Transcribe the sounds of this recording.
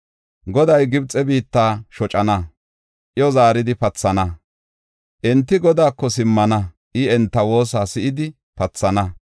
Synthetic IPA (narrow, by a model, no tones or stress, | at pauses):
ɡɔd̪ɐjɡɪbt͡sʼːɛbiːt̪ːaːʃɔt͡ʃʼɐnɐ | ʔɪjɔzaːɾɪd̪ɪpɐt͡sːɐnɐ | ʔɛnt̪ːɪɡɔd̪aːkːɔsɪmːɐnɐ | ʔɪɛnt̪ːɐwo̞ːsaːsɪʔɪd̪ɪ | pɐt͡sːɐnɐ